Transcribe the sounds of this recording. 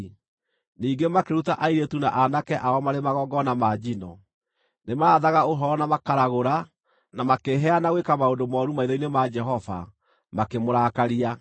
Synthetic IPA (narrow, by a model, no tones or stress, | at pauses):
niːɡemakeɾutaʔaiɾetunaʔanakɛʔaɔmaɾemaɣɔːɡɔnamaːd͡ʒinɔ | nemaːðaɣaoɦɔɾɔnamakaɾaɣoɾa | namakeɦɛanaɣwekamaondomɔɾumaiðainemad͡ʒɛɦɔva̰ | makemoɾaːkaɾia